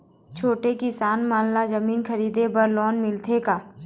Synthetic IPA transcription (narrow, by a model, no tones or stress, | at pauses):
t͡ʃʰoːʈekɪsaːnmaːnlazɐmiːnkʰɐɾiːd̪ebɐɾlɔːnmɪlt̪ʰekaː